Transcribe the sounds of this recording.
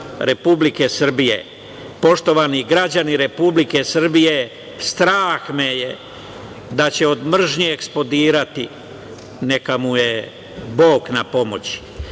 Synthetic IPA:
ɾe̞publike̞sr̩bijḛ | po̞ʃt̪o̞ʋaniɡɾad͡ʑaniɾe̞publike̞sr̩bije̞ | st̪ɾaːxmeje | d̪at͡ɕe̞od̪mr̩ʒɲieksplo̞d̪iːɾat̪i | ne̞kamuje | bo̞ːknapo̞mot͡ɕi̥

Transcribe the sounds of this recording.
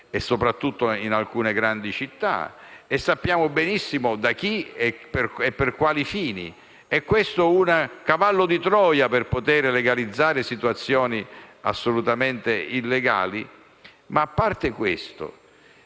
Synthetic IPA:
ɛsːopɾat̪ːut̪ːoinalkuːneɡɾand̪it͡ʃit̪ːa̰esːapːjaːmʊbɛnisːimʊd̪ak̟iɛperɛpːerkwaːlifiːnḭ | ɛkːwest̪ounakavalːod̪it̪ɾɔːjapɪrpot̪ɛːɾeleɡalid̪zːaːɾesit̪uat̪sːjɔːnia̰sːolut̪ament̪eilːeɡa̰ːli | maːpːart̪ekwest̪o̰

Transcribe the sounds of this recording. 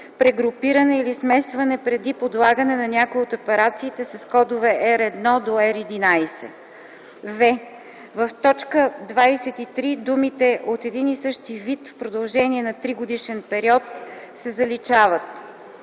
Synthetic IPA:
pɾɛɡɾʊpiɾənɛilismɛsvɐnɛpɾɛd̪ipod̪lˠaɡənɛnɐnʲjakʊjiot̪opɛɾat̪siːt̪ɛsɐskɔd̪ovɛʔɛɾɛd̪nɔd̪oɛɾid̪inajsɛ̰ | vɛ | vəft̪ɔt͡ʃkəd̪vajsɛt̪it̪ɾid̪umit̪ɛʔot̪ɛd̪inisɤʃt̪ivit̪fpɾod̪ɐlˠʒɛniɛnɐt̪ɾiɡod̪iʃɛnpɛɾiɔt̪sɛzɐlit͡ʃavət̪

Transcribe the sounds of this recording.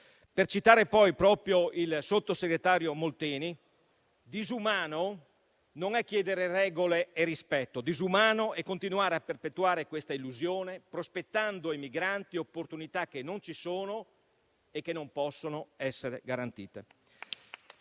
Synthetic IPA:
pert͡ʃit̪aːɾepɔjpɾɔːpɾjoilsot̪ːoseɡɾet̪aːɾjomolt̪ɛːni | d̪izumaːno | noŋɛkːjɛːd̪eɾerɛːɡoleːrispɛt̪ːod̪izumaːnoʔɛkːont̪inuaːɾeapːerpet̪ːuaːɾekwest̪ailːuzjoːnepɾospet̪ːand̪oajmiɡɾant̪iopːort̪unit̪ak̟ːenːont͡ʃisoːno | ekːenːompɔsːonoɛsːeɾeɡaɾant̪ḭːt̪e

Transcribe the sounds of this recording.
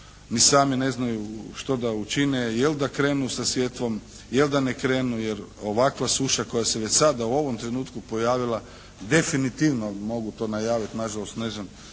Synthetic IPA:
nisaːmine̞znajuʃt̪o̞d̪aut͡ʃinejeld̪akɾe̞ːnusasʋjet̪ʋo̞m | jeld̪anekɾe̞ːnujeɾo̞ʋakʋasuʃako̞jase̞ʋe̞t͡ɕsad̪auo̞ʋo̞mt̪ɾe̞nuːt̪kupo̞jaːʋilˠa | d̪e̞finit̪iʋno̞mo̞ɡut̪o̞ːnajaːʋit̪naʒalo̞st̪neznan

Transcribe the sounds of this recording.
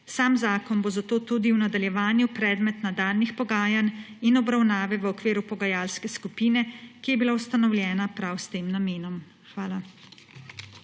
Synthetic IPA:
saːmzaːkɔnbozat̪oːt̪uːd̪iwnad̪aljɛʋaːnjupɾɛːd̪mɛt̪nad̪aːlnixpɔɡaːjan | inɔbɾawnaːʋɛʋəɔkʋeːɾupɔɡajaːlskɛskupiːnɛkijɛbilawst̪anɔwljɛːnapɾawst̪eːmnameːnɔm | xʋaːla

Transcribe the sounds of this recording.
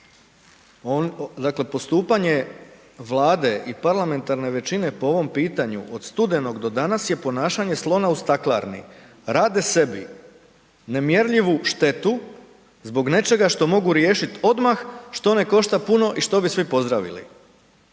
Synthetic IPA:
d̪akle̞po̞st̪uːpaɲe̞ | ʋlˠaːd̪e̞ʔipaɾlˠame̞nt̪aɾne̞ʋe̞t͡ʃine̞po̞o̞ʋo̞mpiːt̪aɲṵʔod̪st̪ud̪e̞no̞ɡd̪o̞d̪anasje̞po̞naːʃaɲe̞slˠo̞naust̪aklˠa̰ɾnḭ | ɾaːd̪e̞se̞bi | ne̞mjeɾʎiʋuʃt̪e̞t̪u | zbo̞ɡne̞t͡ʃe̞ɡaʃt̪o̞mo̞ɡuɾje̞ːʃit̪o̞d̪maxʃt̪o̞ne̞ko̞ʃt̪apuno̞ʔiʃt̪o̞bisʋipo̞zd̪ɾaʋḭlḭ

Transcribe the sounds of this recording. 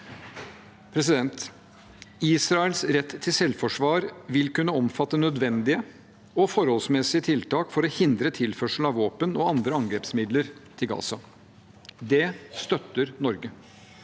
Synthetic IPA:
pʰɾɛs̬ɪd̪ɛnt̪ | iːsɾɑəlsɾɛt̪ːʰɪlsɛlfɔʂʋɑːɾʋɪlkʉnːəɔmfɑt̪ːənœd̪ʋɛnd̪ɪə | ɔfɔɾhɔlsmɛsɪət̪ʰɪlt̪ʰɑːkfɔɾɔhɪnd̪ɾət̪ʰɪlfœʂəl̩ɑʋoːpənɔɑnd̪ɾəɑŋɡɾeːpsmɪd̪ləɾt̪ʰɪlɡɑ̰ːsɑ | d̪ɛst̪œt̪ːəɾnɔɾɡə

